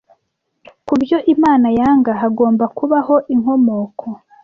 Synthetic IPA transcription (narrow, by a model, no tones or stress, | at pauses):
kubjo̞ʔimaːnajaːŋɡaɦaɡoːmbakuβaho̞ʔiŋho̞mo̞ːkʰo